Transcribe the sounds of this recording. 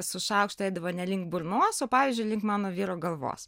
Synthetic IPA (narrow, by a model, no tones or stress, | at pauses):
sʊʃɑˑʊkʃt̪ʊɛɪd̪ɐʋoːnʲɛlʲɪŋkbʊɾnoɔsoːpɑːʋʲiːzʲd͡ʒʲʊɪlʲɪŋkmɑːnoːʋʲiːɾoːɡɐlˠʋo̰ːs